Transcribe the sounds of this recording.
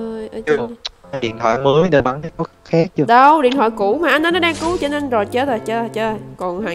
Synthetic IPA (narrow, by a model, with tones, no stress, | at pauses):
ʔə˧jʔəː˧˩˧jɗḭ˧˨ənt̪ʰwa̰ː˧˨jmə˨˦əjɗe˨˧˩ma˧˦nkaː˨˦jko˨˦xaː˦˥k̚t͡ɕɨ˧ɗə˧wɗḭ˨˧˨ənt̪wa̰ː˧˨jku˧˩˥maː˨˩ʔa˧jnʔnɔ˨˦˥ɗaː˧ŋku˨˦t͡ɕɔː˧ne˧nzo˨˩jt͡ɕə˦˥t̪̚ə˨˩t͡ɕəː˧˨˩t͡ɕəː˧˨kɔ˨˩nɦa̰ː˧˨